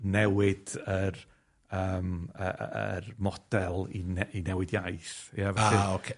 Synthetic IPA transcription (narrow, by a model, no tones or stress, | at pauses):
nɛwɪd̥ər | əːmə̰ə̰rmɔd̥ɛlˠinɛinɛwɪdjajsjavaaɪokʰe